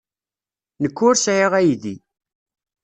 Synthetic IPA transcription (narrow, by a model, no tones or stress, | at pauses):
nəkːʊɾsʕeʁæjði